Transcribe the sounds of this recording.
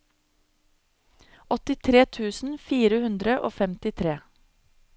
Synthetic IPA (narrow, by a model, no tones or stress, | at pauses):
ɔt̪ɪt̪ʰɾeːt̪ʰʉːsn̩fiːɾəhʉnd̪ɾəʔo̰ːfɛmt̪ɪt̪ʰɾeː